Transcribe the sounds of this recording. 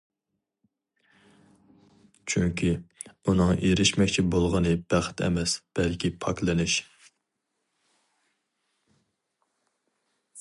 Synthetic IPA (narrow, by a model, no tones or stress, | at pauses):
t͡ʃʰyŋkʲʰiunɨŋeɾɪʃmɛkʲt͡ʃʰibolˠʁənɨb̥æχt̪ʰɛ̰mɛsb̥ɛlkʲipʰɑklˠɨnɪʃ